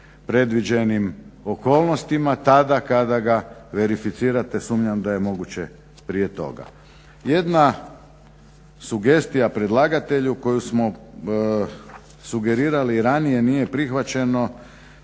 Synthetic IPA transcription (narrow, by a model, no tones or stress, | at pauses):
pɾe̞d̪ʋid͡ʑenimo̞ko̞ːlˠno̞st̪imat̪ad̪akad̪aɡaʋe̞ɾifit̪siːɾat̪e̞suːmɲamd̪aje̞mo̞ɡut͡ɕe̞ | pɾije̞t̪o̞̰ɡa̰ | je̞d̪na | suɡe̞st̪ijapɾe̞d̪lˠaːɡat̪e̞ʎuko̞jusmo̞ | suɡe̞ɾiːɾaliːɾanije̞nije̞pɾixʋat͡ɕe̞no̞